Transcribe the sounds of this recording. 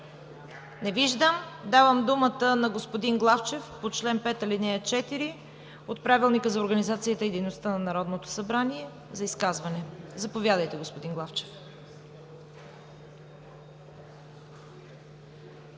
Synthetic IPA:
nɛviʒd̪əmd̪avəmd̪umət̪ənɐɡospod̪inɡlˠaft͡ʃɛfpot͡ʃlɛnpɛt̪ɐlinɛət͡ʃɛt̪iɾi | ot̪̚pɾavilˠnikəzɐoɾɡənizat̪sijət̪əid̪ɛjnost̪ənɐnɐɾɔd̪not̪o̥sɐbɾaniɛ | zɐiskazvɐnɛzɐpovʲjad̪əjt̪ɛɡospod̪inɡlˠaft͡ʃɛ̥f

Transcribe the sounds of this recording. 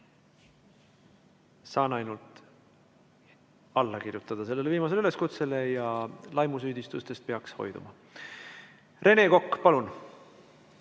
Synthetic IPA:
sɑːnɑjnult̪ˑ | ɑlːɑkirjut̪ːˑɑd̪̥ɑse̞lːe̞le̞viːmɑs̬eyle̞skut̪se̞lejɑlɑjmus̬yːd̪ist̪ust̪e̞st̪̚peɑksho̞̰jd̪̥ṵmɑ | re̞ne̞ko̞kːpɑlun

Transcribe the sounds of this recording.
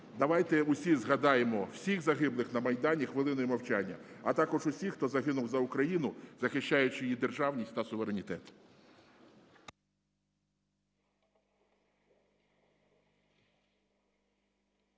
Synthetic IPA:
d̪ɐʋɑjt̪ɛʊsʲizɦɐd̪ɑjemɔw̥sʲiɣzɐɦɪblˠɪxnɐmɐjd̪ɑnʲixʋɪlˠɪnɔjimɐwt͡ʃanʲːɐ̰ɐt̪ɑkɔʒʊsʲixt̪ɔzɐɦɪnʊwzɐʊkɾɐjinʊz̥ɐxɪʃt͡ʃːajʊt͡ʃɪjjid̪e̞rʒɑwnʲisʲt̪ɐsʊʋeɾenʲit̪ɛt̪

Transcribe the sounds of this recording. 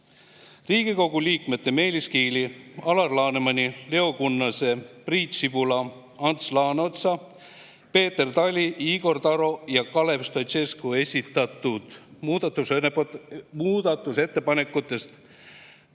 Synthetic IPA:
riːɡ̥iko̞ɡ̥uliːkme̞t̪ːe̞me̞ːliskiːliɑlɑrlɑːnemɑnʲile̞okunːɑse̞priːt̪sib̥ulɑ | ɑnt̪slɑːnot̪sɑ | pe̞ːt̪ːˑe̞rt̪ɑlʲiiɡo̞rt̪ɑɾo̞jɑkɑle̞pst̪o̞t̪se̞skue̞sʲit̪ːˑɑt̪ːˑud̪̥muːd̪̥ɑt̪ːˑus | muːd̪̥ɑt̪ːˑuse̞t̪ːe̞pɑne̞kːˑut̪ːˑe̞st̪

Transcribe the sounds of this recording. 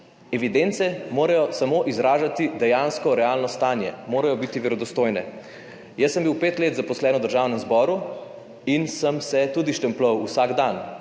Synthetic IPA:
ɛʋid̪ent̪sɛmoːɾajɔsamoːʔizɾaːʒat̪id̪ɛjaːnskɔɾɛaːlnɔst̪aːnjɛmoːɾajɔbit̪iʋɛɾɔd̪ɔst̪oːjnɛ | jəsːəmbiwpeːt̪leːt̪zapɔslɛːnɔd̪əɾʒaːwnəmzbɔːɾu | insəmsɛt̪uːd̪iʃt̪ɛmplɔwusaɡd̪an

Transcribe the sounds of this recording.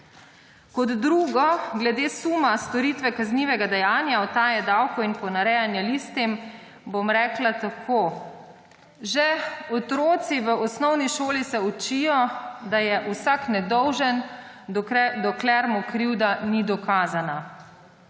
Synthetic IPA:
kɔd̪ːɾuːɡɔɡlɛd̪eːsumast̪ɔɾiːt̪ʋɛkazniːʋɛɡad̪ɛjaːnjaɔt̪aːjɛd̪awkɔinpɔnaɾɛːjanjaliːst̪im | bomɾɛːklat̪akʰoː | ʒɛɔt̪ɾoːt̪siʋəɔsnɔwniʃoːlisɛut͡ʃijɔd̪ajɛʔusaknɛd̪ɔwʒən | d̪ɔklɛɾmɔkɾiwd̪anid̪ɔkaːzana

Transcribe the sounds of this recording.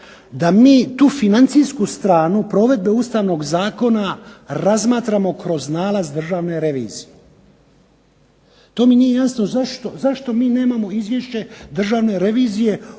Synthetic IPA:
d̪amiːt̪uːfinant̪siskust̪ɾaːnupɾo̞ʋe̞d̪̚be̞ust̪aːʋno̞ɡzaːko̞naɾazmaːt̪ɾamo̞kɾo̞znaːlazd̪r̩ʒaːʋne̞ɾe̞ʋḭːzije | t̪o̞ːminije̞jansnozaʃt̪ozaʃt̪o̞miːne̞ːmamo̞izʋje̞ʃt͡ɕe̞d̪r̩ʒaːʋne̞ɾe̞ʋiːzije̞

